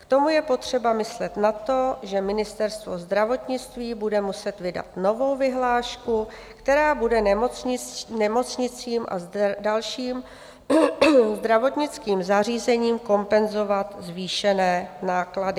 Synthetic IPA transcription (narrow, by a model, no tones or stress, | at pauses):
kt̪o̞mujɛpo̞t̪r̝̥ɛbamɪslɛt̪nat̪o̞ʒɛmɪnɪst̪ɛɾst̪vo̞zd̪ɾavo̞t̪ɲɪt͡st̪viːbudɛmusɛt̪vɪda̰t̪no̞vo̞wvɪɦlaːʃku | kt̪ɛɾaːbudɛn | nɛmo̞t͡sɲɪt͡siːmʔa̰zdalʃiːm | zd̪ɾavo̞t̪ɲɪt͡skiːmzar̝iːzɛɲiːmko̞mpɛnzo̞vat̪zviːʃɛnɛːnaːkladɪ